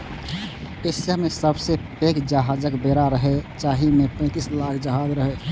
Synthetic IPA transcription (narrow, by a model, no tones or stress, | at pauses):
esamesəbsepekd͡ʒəɦad͡ʒəkbeɾaɾəɦet͡ʃaɦimepə̃ɪ̃t̪islakʰd͡ʒəɦad͡ʒɾəɦe